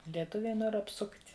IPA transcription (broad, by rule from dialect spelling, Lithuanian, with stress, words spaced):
lʲiɛˈtʊʋʲɛɪ ˈnoːr ɐpˈsʊktʲ